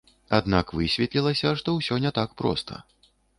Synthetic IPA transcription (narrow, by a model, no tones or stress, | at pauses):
ad̪nakvɨsʲvʲɛt̪lʲilˠɐsʲɐʂt̪ɔwsʲɔnʲɛt̪akpɾɔ̰st̪ʰɐ̰